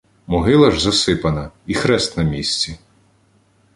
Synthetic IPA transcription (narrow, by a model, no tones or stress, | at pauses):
mɔɦɪlˠɐʒzɐsɪpɐnɐixɾɛst̪nɐmʲisʲt͡sʲi